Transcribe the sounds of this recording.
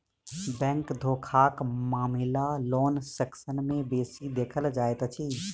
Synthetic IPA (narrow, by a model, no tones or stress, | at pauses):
bɛ̃ːŋkd̪ʱoːkʰaːkmaːmɪlaloːnsɛksənmẽbeːsid̪eːkʰəld͡ʒaːet̪t͡ʃʰi